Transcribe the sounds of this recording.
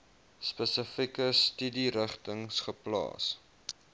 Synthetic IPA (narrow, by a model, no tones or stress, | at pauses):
spəsəfikəstydiɾəχtəŋsχəplɑ̰ːs